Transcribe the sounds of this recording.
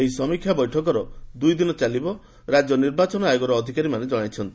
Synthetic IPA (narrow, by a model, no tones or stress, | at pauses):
eɦisɔmikʰjabɔjʈʰɔk̬ɔɾɔd̪ujd̪inɔt͡ʃalibɔ | ɾad͡ʒjɔniɾbat͡ʃɔnɔajoɡɔɾɔːd̪ʱikaɾimaned͡ʒɔɽ̃ajt͡ʃʰɔnt̪i